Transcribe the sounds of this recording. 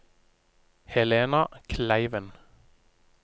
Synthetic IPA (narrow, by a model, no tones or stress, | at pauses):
hɛleːnɑkʰlæɪʋən